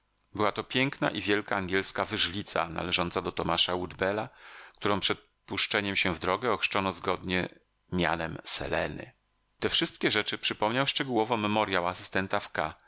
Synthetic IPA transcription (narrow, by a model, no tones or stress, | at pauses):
bɘwat̪ɔpʲjɛŋkna̰ʔivʲjɛlkaːŋɡʲjɛlskavɘʐlʲit̪sa̰na̰lɛʐɔnt̪sad̪ɔt̪ɔmaʂawud̪bɛlak̚t̪uɾɔ̃w̃pʂɛt̪̚ | puʂt͡ʂɛɲɛmɕɛvd̪ɾɔɡɛɔxʂt͡ʂɔnɔzɡɔd̪ɲɛ | mʲja̰nɛmsɛ̰lɛ̰nɘ̰ | t̪ɛfʂɘst̪kʲɛʐɛt͡ʂɘpʂɘpɔmɲawʂt͡ʂɛɡuwɔvɔmɛmɔɾʲjawasɘ̥st̪ɛnt̪afka